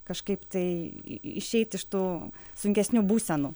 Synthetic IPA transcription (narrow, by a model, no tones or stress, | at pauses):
kɐʃkɐɪpt̪ɐɪɪʃʲɛɪt̪ɪʃt̪uːsʊŋʲkʲɛsʲnʲubuːsʲɛnuː